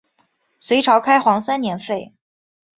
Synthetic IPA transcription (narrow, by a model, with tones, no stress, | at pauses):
swe˧˥ɪʈ͡ʂʰɑ˧˥ʊkʰa˥ɪxwɑ˧˥ŋsa˥nnjɛ˧˥nfe˥˩ɪ